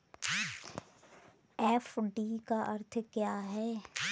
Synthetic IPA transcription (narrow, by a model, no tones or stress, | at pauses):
ɛːfɖiːkaʔɐɾt̪ʰkjaːɦɛː